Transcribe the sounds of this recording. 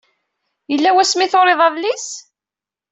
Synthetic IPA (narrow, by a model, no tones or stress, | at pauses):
jəlːæwæsmiθoɾˤeðˤævlis